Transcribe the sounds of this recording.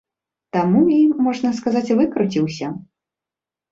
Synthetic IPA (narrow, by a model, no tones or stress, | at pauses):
t̪amuiːɔʐnɐskazat͡sʲvɨkɾut͡sʲiwsʲɐ